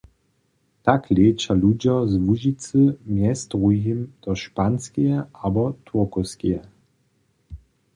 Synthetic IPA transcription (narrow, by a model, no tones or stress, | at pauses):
t̪aklet͡ʃalud͡ʑɔzvuʒit͡səmjɛst̪ʁuɦimd̪̥ɔʃpanskijɛabɔt̪ʰuɐkoskijɛ